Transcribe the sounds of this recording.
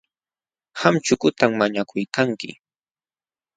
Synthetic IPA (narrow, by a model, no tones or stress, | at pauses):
xamt͡ʃʊkʊt̪aŋmaɲakʰʊjkaŋkɪ̰